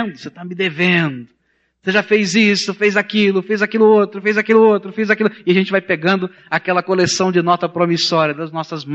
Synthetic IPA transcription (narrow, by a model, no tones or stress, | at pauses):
nd̪ʊset̪amɪd̪evẽd̪ʊ | seʒafejzisʊfejzakilʊfejzakilʊot̪ɾʊfejzakilʊot̪ɾʊfejzakilʊɪaʒẽnt͡ʃɪvajpeɡɐ̃nd̪ʊ | akɛlɐkolesɐ̃w̃d͡ʒɪnɔt̪ɐpɾomisɔɾiɐd̪ɐznɔsɐzm